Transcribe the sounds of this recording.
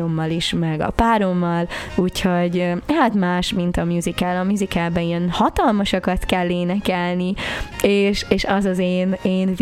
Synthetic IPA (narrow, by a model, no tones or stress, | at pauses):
omːɒliʃmɛɡɒ̰paːɾo̞mːɒluːcho̞ɟhat̪maːʃmint̪ɒmjuzikɛlɒmjuzikɛlbɛiɛnhɒt̪ɒlmɒʃɒkɒt̪kɛlːeːnɛkɛlnieːʃeːʃɒzɒzeːneːnv